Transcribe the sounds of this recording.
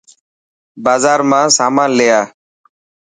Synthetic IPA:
baːzaːɾmãːsaːmãːnleːjaː

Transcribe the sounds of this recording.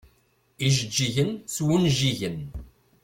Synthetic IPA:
iʒəd͡ʒːiʝənt͡sːwunʒiʝən

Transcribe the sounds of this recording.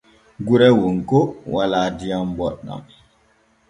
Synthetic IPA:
ɡuɾɛwunkowalaːdijambɔɗːa̰m

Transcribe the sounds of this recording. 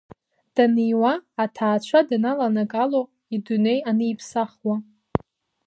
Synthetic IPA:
d̥anijwaːtʰaːt͡ɕʷʰadanalanakʼalo | idune̞janɨipʰsaχwa

